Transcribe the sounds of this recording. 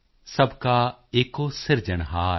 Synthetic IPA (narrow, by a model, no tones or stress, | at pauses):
sɐbʱkaeːkosɪɾd͡ʒəɽ̃ɦaː